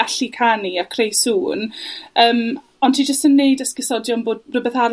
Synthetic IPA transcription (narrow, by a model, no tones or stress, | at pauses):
aɬikʰaniakʰrejsuːnəːm | ɔndtʰid͡ʒəstənːejdəskɪsɔdjɔnboːd̚rəbɛθaɾ